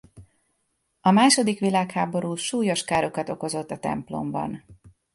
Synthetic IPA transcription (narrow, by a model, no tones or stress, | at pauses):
ɒmaːʃo̞d̪ikʋilaːkhaːbo̞ɾuːʃuːjo̞ʃkaːɾo̞kɒt̪o̞ko̞zo̞t̪ːɒt̪ɛ̰mplo̞̰mbɒ̰n